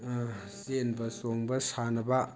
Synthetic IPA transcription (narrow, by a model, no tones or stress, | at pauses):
senbɐsoŋbɐsanɐba